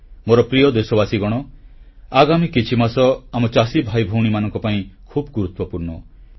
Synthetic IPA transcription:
moɾɔpɾijɔd̪esɔbasiɡɔɽ̃ɔ | aɡamikit͡ʃʰimasɔamɔt͡ʃasibʱajbʱuwɽ̃imanɔŋkɔpaĩkʰubɡuɾut̪wɔpuɾnɔ

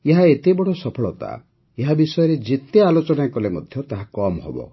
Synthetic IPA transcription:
eɦaet̪ebɔɽɔsɔpʰɔɭɔt̪a̰ | eɦabisɔjɔɾed͡ʒet̪ealot͡ʃɔnakɔlemɔ̰d̪ʱjɔt̪aɦakɔmɔɦɔ̰bɔ̰

